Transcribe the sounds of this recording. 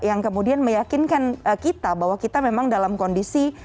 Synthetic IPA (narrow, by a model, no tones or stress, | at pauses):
jaŋkəmudianməjakɪnkanəkit̪abaɦwakit̪amemaŋdalamkondisi